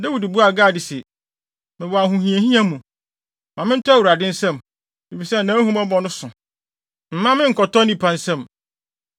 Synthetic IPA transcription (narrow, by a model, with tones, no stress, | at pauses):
dɛ˦wu˨di˨bu˦a˨ɡaː˦˨dɪ˨sɪ˨ | mɪ̃˨wɔ˨a˨ɦũ˨hĩ˨e˨hĩ˦ã˦mũ˨ | mã˨mɪ̃˦n̩˦tʰa˦wu˨ɾa˨dɪ̃˦n̩˦sɛ̃˦˨m | e˨fi˨sɛ˦˨nãː˨˦ɦũ˦mɔ˦bɔ˨nʊ̃˦sʊ̃˨ | m̩˨mã˦mɪ̃˦ŋ̩˨kʰɔ˨tɔ˦nĩ˦pʰã˨n˨sɛ̃˦˨m